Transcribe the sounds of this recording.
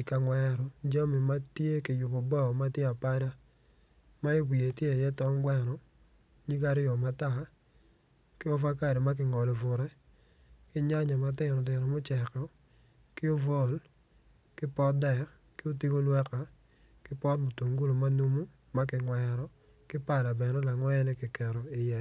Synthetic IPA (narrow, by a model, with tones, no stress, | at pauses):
i˨ka˨ŋwɛ˦ɾɔ˨d͡ʒa˦mi˨ma˦tje˦kɪ˨jʊ˨bo˨bɔ˦˨ma˦tje˦a˨pa˦da˦ | ma˦e˦wi˨e˨tje˦a˨jɛ˦tɔ˦mɡwɛ˨ɾɔ˨ | ɲi˦ka˦ɾɪjɔ˨ma˦ta˦˨ | kɪ˦ɔ˦fa˦ka˦˨ɾɛ˨ma˦k̬ɪ˨ŋɔ˨lɔ˨vʊ˨ɾɛ˦ | kɪ˦ɲa˦ɲa˨ma˨tɪ˦˨nɔ˨dɪ˨nɔ˨mo˦t͡ʃɛ˨kɔ˦ | kɪ˦o˦vɔ˦˨l | kɪ˦pɔ˦dɛ˨ | kɪ˦o˦ti˦ɡo˦lwɛ˦ka˨ | kɪ˦pɔ˦tmo˨to˨ŋɡu˦lo˨ma˦nu˦mu˦ | ma˦k̬ɪ˨ŋwɛ˨ɾɔ˦ | kɪ˦pa˦˨da˨bɛ˨nɔ˦la˨ŋwɛ˦ɛ˦nɛ˦kɪ˨kɛ˨ɾɔ˨i˨jɛ˨